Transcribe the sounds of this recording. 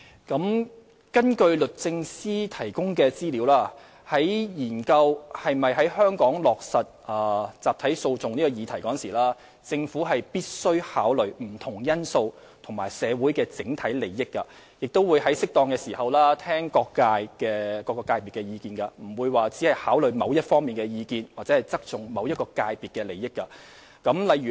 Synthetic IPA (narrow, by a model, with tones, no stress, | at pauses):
kɐ˨˥m | kɐ˥nkɵ˧ɥlɵ˨t̚t͡sɪ˧ŋsiː˥t̪ʰɐ˨˩jkʊ˥ŋkɛː˧t͡siː˥li˨˧˥wlaː˥ | hɐ˨˥jjiː˨˩nkɐ˧whɐ˨jmɐ˨jɦɐ˨˥jhœː˥ŋkɔː˨˥ŋlɔː˨k̚sɐ˨t̚ɐː˨˩t͡saː˨p̚t̪ʰɐ˨˥jso˧wt͡sʊ˨ŋniː˥kɔ˧jiː˨˧t̪ʰɐ˨˩jkɔː˨˥nsiː˨˩laː˥ | t͡sɪ˧ŋfuː˨˥ɦɐ˨jpiː˥t̚sɵ˥ɥhaː˨˥wlɵ˨˩ɥm̩˨˩t̪ʰʊ˨˩ŋjɐ˥nso˧w | t̪ʰʊ˨˩ŋmaː˨˩jsɛː˨˧wu˨˥jkɛː˧t͡sɪ˨˥ŋt̪ʰɐ˨˥jle˨˩jːɪ˥kːɐ˧ | jɪ˨k̚t̪o˥wuː˨˧jɦɐ˨˥jsɪ˥k̚t̪ɔː˧ŋkɛː˧siː˨˩hɐ˨wlaː˥t̪ʰɛː˥ŋkɔː˧kːaː˧jkɛː˧kɔː˧kɔː˧kːaː˧jpi˨tkːɛ˧jiː˧kiː˧nkɐ˧m̩˨˩wuː˨˧jwaː˨t͡siː˨˥hɐ˨jhaː˨˥wlɵ˨ɥmɐ˨˧wjɐ˥t̚fɔː˥ŋmiː˨nkɛː˧jiː˧kiː˧nwaː˨k̚t͡sɛː˨˥hɐ˨˩jt͡sɐ˥k̚t͡sʊ˨˩ŋmɐ˨˧wjɐ˥t̚kɔː˧kaː˧jpiː˨t̚kɛː˧le˨˩jɪ˥kːɐ˧ | kɐ˨˥mlɐ˨jɥyː˨